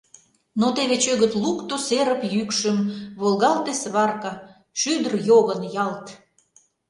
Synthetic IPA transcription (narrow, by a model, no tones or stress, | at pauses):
not̪eβet͡ɕøɣət̪lukt̪oseɾəpjykʃəmβolɣɑlt̪esβɑrkɑ | ʃyd̪ərjoɣənjɑlt̪